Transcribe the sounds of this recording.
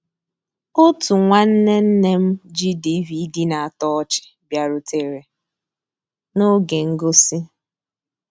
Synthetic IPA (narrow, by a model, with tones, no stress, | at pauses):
o˦tu˨ŋʷa˦n̩˦ne˦n̩˦ne˦m̩˦d͡ʒi˦di˦vi˨˦di˦na˨a˨tɔ˦ɔ˦t͡ʃɪ̥˨bja˨ɾʊ˨te˨ɾe˨ | no˦ɡe˨ŋ̩˦ɡo˦si˦